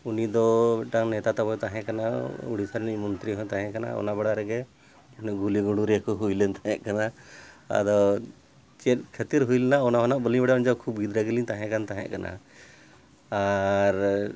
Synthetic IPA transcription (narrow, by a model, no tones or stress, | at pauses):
unid̪ɔɛʈaŋnɛt̪at̪abɔt̪aɦɛ̃ʔkanauɽisaɾnimɔnt̪ɾiɦɔ̃t̪aɦɛ̃kana̰ɔ̰nabɛɽaɾɛɡɛ | nɛɡuliɡuɽuɾɛkɔɦujlɛnt̪aɦɛ̃ʔkanaa̰d̪ɔ | t͡ʃɛt̚kʰət̪iɾɦujlɛnaɔnaɦɔnaʔbəlibɛɽaɔnd͡ʒawkʰub̚ɡid̪ɾaɡɛlit̪ãɦɛ̃kant̪aɦɛ̰̃ʔkanʔa̰ | aɾ